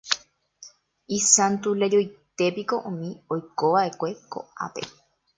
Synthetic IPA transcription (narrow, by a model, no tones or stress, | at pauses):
isãnt̪ulejojt̪epikoʔũmĩojkoʋaʔekʷeko̰a̰pḛ